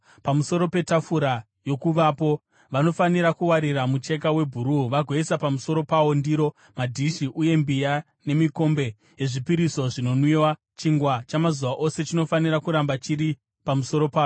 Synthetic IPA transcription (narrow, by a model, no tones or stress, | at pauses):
pamuso̞ɾo̞pe̞tafuɾa | jo̞kuʋapo̞ | ʋano̞faniɾakuwaɾiramut͡ʃe̞k̬awe̞bʱuɾuʋaɡʱweisapamuso̞ɾo̞pawo̞ndiɾo̞ | madʱiʃiʔuje̞mbija | ne̞miko̞mbe̞ | jeʐipiɾiso̞ʐino̞nwiwa | t͡ʃiŋɡwat͡ʃamazuʋaʔo̞se̞t͡ʃino̞faniɾakuɾambat͡ʃiɾi | pamuso̞ɾo̞paːjo